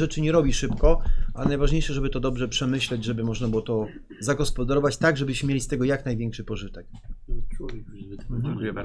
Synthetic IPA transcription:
ɛt͡ʂɘɲɛɾɔbʲiʂɘpkɔʔaɛnajvaʐɲejʂɛʐɛbɘt̪ɔd̪ɔbʐɛpʂɛmɘɕlɛd͡ʑʐɛbɘmɔʐnabɘwɔt̪ɔ | zaɡɔspɔd̪aɾɔvat͡ɕt̪aɡʐɛbɘɕmɘmʲelʲist̪ɛɡɔjaknajvʲɛŋkʂɘpɔʐɘt̪ɛk | kɛ

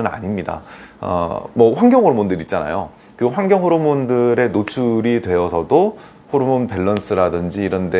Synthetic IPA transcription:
ɯna̰ɲimɲida̰ʌ̰mʌɸwaŋɡjʌŋhoɾmondɯɾit̚t͡ɕ͈ana̰jo̰ | kɯɸwaŋɡjʌŋɦoɾumundɯɾe̞not͡ɕʰuɾidwe̞ʌsʰʌdo | ɸoɾumonpe̞ɭːʌns͈ʰɯɾadɯnd͡ʑiːɾʌnde̞

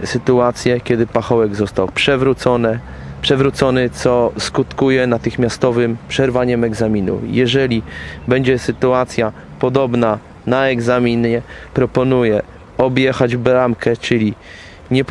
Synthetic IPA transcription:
sɘt̪uat̪sʲjɛkʲɛd̪ɘpaxɔwɛɡzɔst̪awpʂɛvɾut̪sɔnɛ | pʂɛvɾut̪sɔnɘt̪sɔskut̪kujɛnat̪ɘxmʲjast̪ɔvɘmpʂɛɾvaɲɛmɛɡzamʲinṵjɛʐɛlʲibɛɲd͡ʑɛsɘt̪uat̪sʲja | pɔd̪ɔbna | naɛɡzamʲiɲɛpɾɔpɔnujɛ | ɔbʲjɛxad͡ʑbɾamkʰɛt͡ʂɘlʲi | ɲɛp

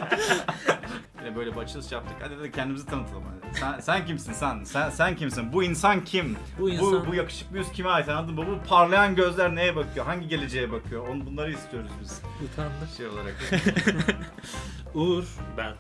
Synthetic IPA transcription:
binɛbø̞jlʲɛbat͡ʃʰɯlˠɯst͡ʃjap̚t̪ʰɯkha̰d̪id̪ad̪cʰɛnd̪imizit̪ʰanɯt̪ʰɯlˠa̰ma̰jsænsæncimsinsænsænsæncʰimsinbuinsancʰim | bubujakɯ̥ʃɯ̥k̚bijyzcʰimaːjit̪ʰanalˠd̪ɯmbubupʰaɾlˠajanɟø̞zlʲæɾne̞jɛbakʰɯjo̞ɦaɲɟiɟe̞lʲe̞d͡ʒejɛbakʰɯjoonubunˠaɾɯist̪ʰijo̞ɾuzbizut̪ʰaʃejo̞lˠaɾa̰k | uɾbæn

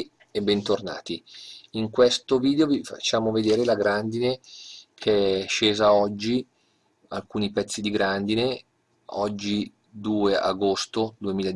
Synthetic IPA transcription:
ebːɛnt̪orna̰ːt̪iiŋkwest̪oviːd̪eovifa̰t͡ʃːaːmoved̪eːɾelaɡɾand̪inekʰeʃːeːzaɔd͡ʒːi | a̰lkuːnipɛt̪sːid̪iɡɾand̪ine | ɔd͡ʒːi | d̪uːea̰ɡost̪od̪uemiːla

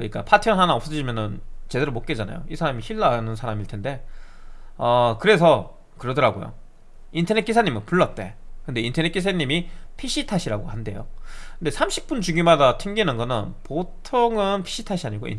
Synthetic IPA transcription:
kɯɲik͈a̰pʰatʰiʌnɦanaʌp̚s͈ʌɕʰimjʌnɯnt͡ɕe̞de̞ɾomok͈ed͡ʑana̰jo̰isʰaɾamiçiɭːanɯnsʰaɾamiɭtʰende̞ | ʌkɯɾe̞sʰʌ | kɯɾʌdɯɾaɡojo̰ | intʰʌne̞t̚k͈esʰaɲimɯnpuɭːʌt̚t͈e̞̰kɯnde̞intʰʌnet̚k͈es̬ʰaɲːimipʰiɕ͈ʰitʰaɕʰiɾaɡohande̞jo̰kɯnde̞sʰamɕʰi̥p̚p͈unt͡ɕuɡimadatʰɯŋɡinɯnɡʌnɯnpotʰoŋɯnpʰi̥ɕʰitʰaɕʰiaɲiɡo̰ḭn

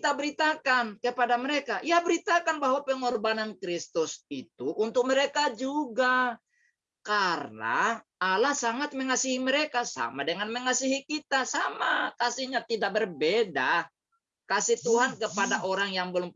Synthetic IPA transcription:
t̪abəɾit̪akankəpadamɛɾɛkaʔjabəɾit̪akanbaɦwapɛŋɔrbanankɾist̪ʊsit̪uʔunt̪ʊk̚mɛɾɛkad͡ʒuɡa | karna̰ːlahsaŋat̪̚məŋasiɦiməɾɛkasa̰madəŋanməŋasiɦikit̪asama̰kasihɲat̪idak̚bərbeda | kasit̪uɦankəpadaʔoɾaŋjaŋbəlʊm

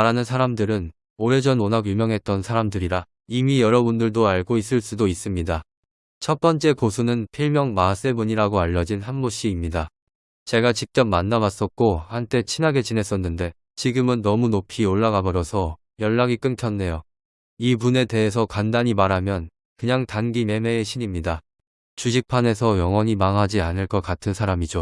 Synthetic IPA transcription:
aɾanɯns̬ʰaɾamdɯɾɯn | oɾe̞d͡ʑʌnonaɡjumjʌŋɦe̞t̚t͈ʌnsʰaɾamdɯɾiɾa | imijʌɾʌbundɯɭdoaɭɡois͈ɯɭs͈udois͈ɯmɲida | t͡ɕʰʌt̚p͈ʌnt͡ɕ͈e̞kosʰunɯnpʰiɭmjʌŋmas͈e̞buɲiɾaɡoaʎːʌd͡ʑinhanmoɕ͈iːmɲida | t͡ɕe̞ɡat͡ɕik̚t͡ɕ͈ʌp̚manːawas͈ʌt̚k͈ohant͈e̞t͡ɕʰinɦaɡe̞t͡ɕine̞s͈ʌnːɯnde̞ | t͡ɕiɡɯmɯnːʌmunopʰioɭːaɡabʌɾʌsʰʌ | jʌɭːaɡik͈ɯntʰjʌnːe̞jo | ipune̞te̞ɦes̬ʰʌkandaɲimaɾamjʌn | kɯɲaŋtanɡime̞me̞ːɕʰiɲimɲida | t͡ɕud͡ʑik̚pʰane̞s̬ʰʌjʌŋwʌɲimaŋɦad͡ʑianɯɭk͈ʌk͈atʰɯnsʰaɾamid͡ʑo

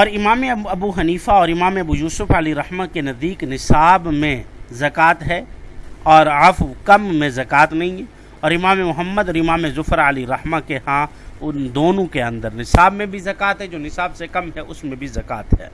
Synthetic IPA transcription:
ɔːɾɪmaːmeɐbuɦɐniːfaɔːɾɪmaːmeɐbujuːsʊfəliɾɐhmakenɐzd̪iːknɪsaːbmẽzɐkaːt̪ɦɛːɔːɾəfkɐmːẽzɐkaːt̪nɐɦĩɦɛ | ɔːɾɪmaːmemʊɦəmːəd̪ɔːɾɪmaːmezʊfəɾəliɾɐhmakehã | ʊnd̪oːnõkeɐ̃nd̪əɾnɪsaːbmẽbʱizɐkaːt̪ɦɛd͡ʒoːnɪsaːbsekɐmɦɛʔʊsmẽbʱizɐkaːt̪ɦɛ̰ː

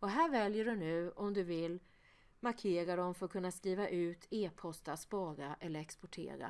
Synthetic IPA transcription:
ɔɦæːɾvɛljəɖɵnʉ̟ːʔɔmd̪ɵvɪlː | maɾkʰeːɾaɖɔmfœɾɔkʰɵnːaskɾiːvaʔʉ̟ːt̪ʰeːpʰɔst̪at̪spɑːɡaʔɛlːəɾɛkspɔʈʰḛːɾa̰

